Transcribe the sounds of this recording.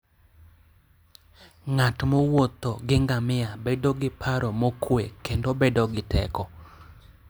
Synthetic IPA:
ŋatmowot̪oɡɪŋɡamɪabedoɡɪpʰaɾomokʰwekendobedoɡɪtʰɛ̰kɔ

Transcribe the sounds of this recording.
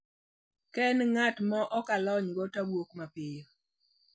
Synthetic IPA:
kɛnŋatmɔʔɔkalɔɲɡɔtabwokmapɪjo

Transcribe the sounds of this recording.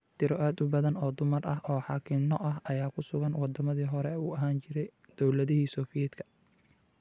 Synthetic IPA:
t̪ʰɪɾɔʔaːd̪ʊbɐðɐnɔːd̪ʊmɐrʔɐɦʔɔːħɑːkʰɪmnɔʔɐɦɐjaːkʰʊsʊɣɐnwɑd̪ɐmɐðiːɦɔɾɛuːɐɦaːnt͡ʃɪɾɛj | d̪̥ɔwlɐðɪɦiːsɔːfɪjɛd̪kʰɐ̥

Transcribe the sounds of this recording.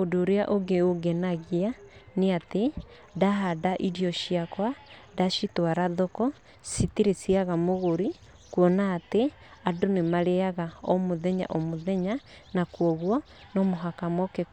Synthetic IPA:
odoːɾeaʔoɡeoɡɛnaɣianeate | daɦadaʔiɾiɔʃiakwadaʃitwaɾaðokɔ | sitiɾesiaɣamoɣoɾi | kwɔnaːte | adonemaɾeaɣaɔmoðɛɲa̰ʔomoðɛɲa | nakwɔɣwɔ | nɔmoɦakamɔke

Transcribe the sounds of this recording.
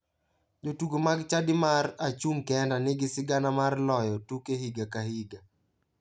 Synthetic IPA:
d͡ʒotuɡomaɡt͡ʃadɪmaɾat͡ʃumkɛndanɪɡɪsɪɡanamarlɔjɔtukeɦiɡakahiɡa

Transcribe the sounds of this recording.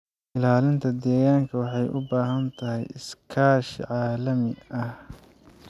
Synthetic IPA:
ʔɪlaːlɪnt̪ʰɐd̪ɛːɣaːŋkʰɐwɑħɑjʔʊbaːɦɐnt̪ʰɐɦɛ̰jɪskʰaːʃʕɑːlɐmɪɐh

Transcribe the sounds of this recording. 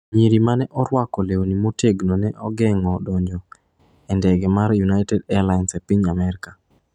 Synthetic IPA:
ɲiɾimanɛʔɔɾwakɔlewonimoteɡnonɛʔɔɡɛŋɔdɔɲd͡ʒɔ | ɛndɛɡɛmaɾjunaɪtɛdɛalansepiɲamɛɾika

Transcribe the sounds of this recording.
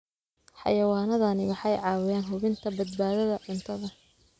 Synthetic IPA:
ħɑ̰jɐwaːnɐðɐnɪwɑħɑjʕɑːwɪjaːnɦʊβɪnt̪ʰɐbɐd̪̚baːðɐðɐʕʊnt̪ʰɐðɐ

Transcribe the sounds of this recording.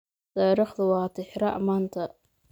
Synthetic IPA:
t̪ɑːɾiːχd̪ɐwɑːt̪ʰɪħɾɐʔmaːnt̪ʰɐ

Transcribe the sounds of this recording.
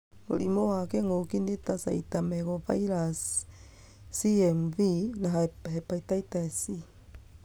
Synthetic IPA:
mo̰ɾimowakeŋokindet̪asa̰it̪ameɡofa̰iɾas | iɛmvinaɦahepaitaitaesi

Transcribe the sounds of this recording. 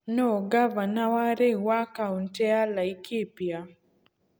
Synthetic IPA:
noɡavanawaɾewakauntɛalaikʰipja

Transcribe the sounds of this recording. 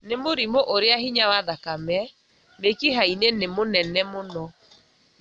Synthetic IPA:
nemoɾimoʔoɾeaɦiɲawaðakamɛ | mekiɦainenemonɛnɛmonɔ

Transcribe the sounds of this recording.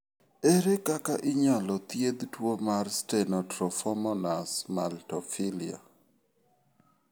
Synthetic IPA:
eɾekakaʔɪɲalɔt̪jed̪twomarstenɔtɾɔfɔmɔnasmaltɔfɪlia̰

